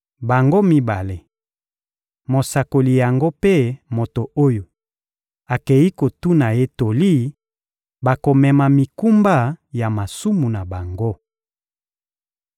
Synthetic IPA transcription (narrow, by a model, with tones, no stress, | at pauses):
ba˨ŋɡo˦mi˦ba˨le˨ | mo˨sa˨ko˨li˨ja˨ŋɡo˦pe˦mo˨to˨o˦jo˨ | a˨ke˨ji˦ko˨tu˦na˨je˦to˨li˦ | ba˨ko˨mɛ˨ma˨mi˨ku˦mba˦ja˨ma˨su˦mu˨na˨ba˨ŋɡo˦